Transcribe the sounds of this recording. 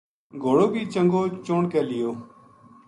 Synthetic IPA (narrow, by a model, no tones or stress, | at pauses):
ɡʱoːɽoːbʱiːt͡ʃəŋɡoːt͡ʃoːɳkɛːlɪjoː